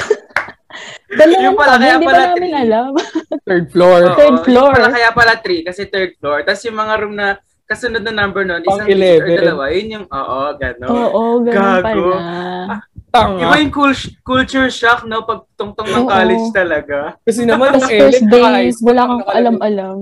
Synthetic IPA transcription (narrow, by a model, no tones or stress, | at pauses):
ɡ̥ɐnojʊŋpɐlaɐad̪iɐbɐaːmɪnʔɐlamt̪ɛɹd̪̚floɹt̪ɛɹd̪floɹpɐlakɐjapɐlat̪ɾikɐsɛt̪ɛɹd̪̚floɹt̪asjʊŋmɐŋaɾomnɐ | kɐsʊnod̪nɐnɐmbɛɹnonʔɪɐaŋɪlɛːvɛd̪ɐlɐwajʊnjʊŋʔo̰ːʔoɡɐnooːʔoɡɐaɡɐo | t̪aŋɪabajʊŋkulkult͡ʃʊɹʃaknopɐɡ̚t̪oŋt̪oŋnɐoːkaːlɪd͡ʒd͡ʒt̪ɐlɐɡakɐs̬ɛnɐmansɛɛɹɛd̪eswɐlaːkɐŋkoʔɐlamʔɐlam